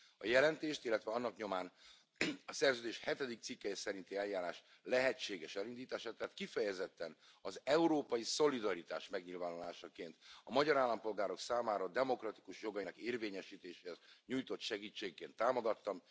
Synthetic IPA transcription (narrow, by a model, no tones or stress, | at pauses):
ɒjɛlɛnt̪eːʃt̪ilːɛt̪ʋɛɒnːɒkɲo̞maːn | ɒsɛrzøːd̪eːʃhɛt̪ɛd̪ik̚t̪sikːɛjɛsɛɾint̪iɛljaːɾaːʃ | lɛɦɛt͡ʃːeːɡɛʃɛlind̪iːt̪aːʃaːt̪ɛɦaːt̪kifɛjɛzɛt̪ːɛn | ɒzɛuɾoːpɒjiso̞lid̪ɒɾit̪a̰ːʃmɛɡɲilvaːnula̰ːʃɒkeːnt̪ɒmɒɟɒɾaːlːɒmpo̞lɡaːɾo̞ksaːmaːɾɒd̪ɛmo̞krɒt̪i̥kuʃjo̞ɡɒjinɛkeːrveːɲɛʃiːt̪eːʃeːhɛzɲuːjt̪o̞t̪ʃɛɡiːt͡ʃːeːkːeːnt̪ːaːmo̞ɡɒt̪ːɒm